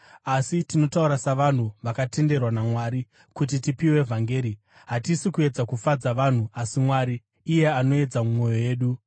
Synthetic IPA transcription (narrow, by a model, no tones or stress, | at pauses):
asitino̞tauɾasaʋan̤uʋakate̞nde̞rwanamwaːɾi | kut̬itipiwe̞vʱaŋɡe̞ːɾi | ɦatisikue̞d͡zakufad͡zaʋan̤uasimwaɾiː | je̞ano̞e̞d͡zamumo̞jo̞je̞ːɗu